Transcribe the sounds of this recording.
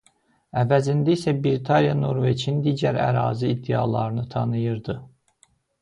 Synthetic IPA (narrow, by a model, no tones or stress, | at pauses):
ævæzind̪æisæbiɾit̪ʰɑnijɑno̞ɾvet͡ʃʰind̪iːɟæɾæ̰ɾɑ̰ːziːd̪ːeɑ̰lˠɑɾɯnɯt̪ʰɑnɯjɯɾd̪ɯ